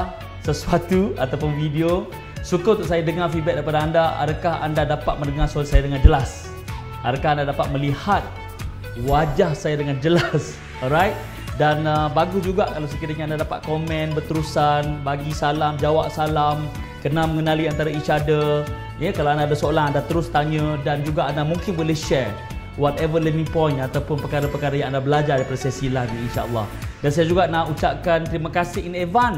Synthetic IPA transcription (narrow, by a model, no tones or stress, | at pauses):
səsuat̪uat̪awpʊnfidio | sukə̃t̪uʔsajadəŋafibɛt̪̚daipadaandaa̰ɾakaha̰ndadapat̪̚məndəŋasolasajadəŋand͡ʒəlas | adakahandadapat̪̚məlihat̪̚ | wad͡ʒahsajadəŋand͡ʒəlas | ɔɾajt̪̚ | danəbaɡusd͡ʒuɡaʔkalosəkiɾəɲaandadapa̰t̪̚komɛ̃nbərt̪əɾusanbaɡisalamd͡ʒawaʔ̚salam | kənaməŋənaliant̪aɾait͡ʃadə | jəkalawandaːdasəolaŋandaht̪əɾʊst̪aɲə̃dand͡ʒuɡaʔandamũŋkɪnwileʃɛɹ | wat̪ɛvələmĩpɔ̃j̃nat̪awpʊnpəkaɾəpəkaɾajãŋandabəlad͡ʒarɾaipadasajasilahniinʃa̰ʔəlːɔ̰hdansajad͡ʒuɡaʔnaut͡ʃaʔ̚kant̪əɾimakasɪhinevan